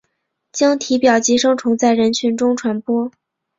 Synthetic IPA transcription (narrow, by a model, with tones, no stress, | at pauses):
t͡ɕjɑ˥ŋt̪ʰi˧˥pjɑ˨˩ʊt͡ɕi˧˥ʂɤ˥ŋʈ͡ʂʰʊ˧˥ŋt͡sa˥˩ɪɻə˧˥nt͡ɕʰy˧˥nʈ͡ʂʊ˥ŋʈ͡ʂʰwa˧˥npwɔ˥